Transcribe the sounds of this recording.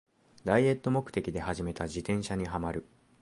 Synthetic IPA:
d̪aie̞t̪ːo̞mo̞kɯ̟̥t̪e̞kʲid̪e̞haʑime̞t̪ad͡ʑit̪ẽ̞ɰ̃ɕaɲ̟iɦamaɾɯ̟

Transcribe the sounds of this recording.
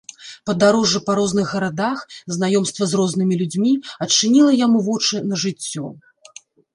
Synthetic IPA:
pɐd̪aɾɔʐɨpɐɾɔznɨɣɣɐɾad̪axznajɔmst̪vɐzrɔznɨmʲilʲud͡zʲmʲiɐt͡ʂːɨnʲilˠɐjamuvɔt͡ʂɨnɐʐɨt͡sʲːɔ

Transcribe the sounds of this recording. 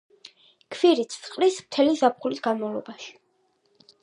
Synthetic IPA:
kʰviɾit̪ssʼqʼlismt̪ʰɛlizap̚χulisɡ̥anmavlˠɔ̰baʃi̥

